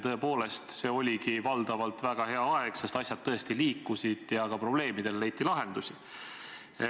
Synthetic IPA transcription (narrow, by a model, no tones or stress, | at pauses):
t̪ɤ̞e̞po̞ːle̞st̪se̞ːo̞lʲikivɑld̪̥ɑvɑlt̪væɡ̥ɑɦe̞ɑɑeɡ̥se̞st̪ɑsʲjɑd̪̚t̪ːɤ̞e̞st̪iliːkːusid̪̥jɑkɑpro̞b̥le̞ːmid̪̥e̞lle̞jt̪ːˑilɑɦe̞nd̪usʲi